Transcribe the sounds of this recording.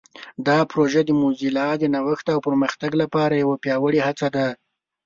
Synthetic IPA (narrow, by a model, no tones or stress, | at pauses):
d̪ɑpɾoʒəd̪əmuzilɑd̪ənawəxt̪awpəɾməxt̪aɡlapɑɾajawapjɑwəɽihat͡sad̪a